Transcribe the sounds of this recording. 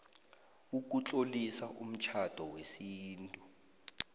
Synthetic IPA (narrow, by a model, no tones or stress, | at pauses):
uk̬ut͡ɬʼolisaʔum̩t͡ʃʰad̥ʱɔwesiːntʼu